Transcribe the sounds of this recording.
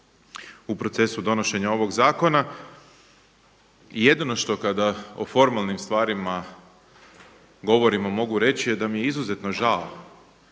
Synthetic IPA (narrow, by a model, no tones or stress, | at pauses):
upɾo̞t̪se̞sud̪o̞no̞ʃe̞ɲao̞ʋo̞ɡzaːko̞na | ije̞d̪ino̞ʃt̪o̞kad̪ao̰fo̞ɾmalnimst̪ʋaːɾima | ɡo̞ʋo̞ɾimamo̞ɡuɾe̞t͡ɕijed̪amijeizuzet̪no̞ʒao